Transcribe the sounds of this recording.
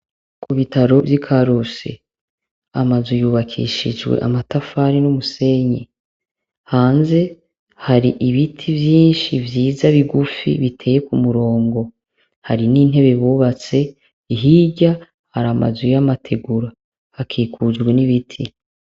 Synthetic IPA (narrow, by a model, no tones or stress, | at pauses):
kʰuβitaɾo̞vjikʰaɾusḛ | amazijuːβakʰḭʃid͡ʒwe̞̰ʔa̰matafaɾinumuse̞ɲe | haːnze̞ | haɾiʔiβitʰivjiːnʃivjiːzaβiɡufḭβitʰe̞je̞kumuɾo̞ːŋɡo̞ | haɾiniːn̥he̞βe̞βuːβat͡se̞ | iɦiɟa | haɾama̰zujamatʰe̞ɡuɾa | hakʰiːkʰud͡ʒɡwe̞niβitʰi